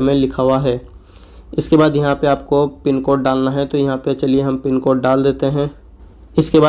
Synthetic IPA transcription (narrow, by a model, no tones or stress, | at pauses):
mẽlɪkʰaːwaɦɛː | ɪskebaːd̪jɐɦãpeaːp̚kopɪnkoːʈ̚ɖaːlnaɦɛt̪ojɐɦãpet͡ʃɐlieɦɐmpɪnkoːʈ̚ɖaːld̪eːt̪eɦɛ̃ː | ɪskebaː